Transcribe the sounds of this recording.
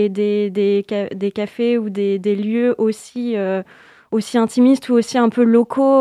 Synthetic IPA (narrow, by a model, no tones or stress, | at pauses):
d̪ed̪ekad̪ekafeud̪ed̪eljøʔosiø | osiɛ̃t̪imist̪uosiɛ̃pølɔkʰo